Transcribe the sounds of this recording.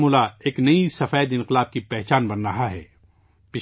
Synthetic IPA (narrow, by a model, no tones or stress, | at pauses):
muːlaeːknɐisɐfɛːd̪ɪ̃nqɪlaːb̚kipɛɦt͡ʃaːnbɐnɾɐɦaɦɛ̰ː | pɪ